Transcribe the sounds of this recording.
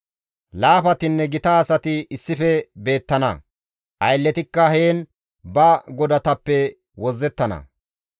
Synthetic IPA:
laːfɐt̪ɪnːɛɡɪt̪ɐːsɐt̪ɪɪsːɪfɛbe̞ːt̪ːɐnɐ̰ | ʔɐjlːɛt̪ɪkːɐheːn | bɐɡɔd̪ɐt̪ɐpːɛ | wɔzːɛt̪ːɐnɐ̰

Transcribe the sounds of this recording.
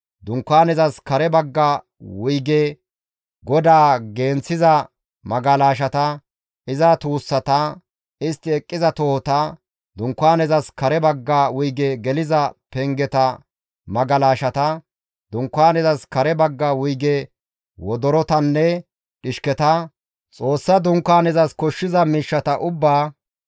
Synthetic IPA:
d̪ʊŋkːaːnɛzɐskɐɾɛbɐɡːɐ | wʊjɡɛ | ɡɔd̪aːɡeːnt͡sːɪzɐ | mɐɡɐlaːʃ̬ɐt̪ɐ | ɪzɐt̪uːsːɐt̪ɐ | ɪst̪ːɪɛkʼːɪzɐt̪ɔhɔt̪ɐ | d̪ʊŋkːʊaːnɛzɐskɐɾɛbɐɡːɐwʊjɡɛɡɛlɪzɐpɛŋɡɛt̪ɐ | mɐɡɐlaːʃɐt̪ɐ | d̪ʊŋkːaːnɛzɐskɐɾɛbɐɡːawʊjɡɛ | wɔd̪ɔɾɔt̪ɐnːɛ | ᶑɪʃkɛt̪ɐ | t͡sʼo̞ːsːɐd̪ʊŋkːaːnɛzɐskɔʃːɪzɐmiːʃːɐt̪ɐʔʊbːaː

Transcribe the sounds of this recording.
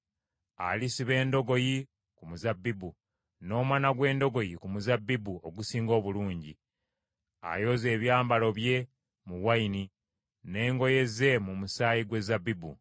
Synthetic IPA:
a̰lisiβe̞ːndo̞ɡo̞ji | kumuzabːibu | no̞ːmwanaɡwe̞ːndo̞ɡo̞jikumuzabːibuo̞ɡusiːŋɡo̞ːβuluːɲɟi | a̰jo̞ːze̞ːβjaːmbalo̞βje̞ | muwaini | ne̞ːŋɡo̞je̞ze̞mumusaːjiɡwe̞zabːibṵ

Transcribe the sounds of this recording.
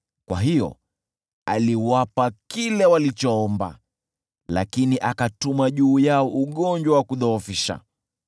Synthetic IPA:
kwa̰ɦijɔ̰ | aliwapakilɛwalit͡ʃɔɔmba̰ | la̰kiniʔakatumaʄuːjaɔʔuɠɔɲd͡ʒwawakuðɔɔfiʃa̰

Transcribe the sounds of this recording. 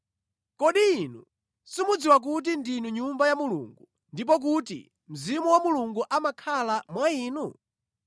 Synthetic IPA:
kɔɗiːnu | simud͡ziwak̬ut̬indinuɲumbajamulṵŋɡu | ndip̬ɔk̬utḭ | m̩zimuwamuluŋɡuʔamakʰalamwaiːnu

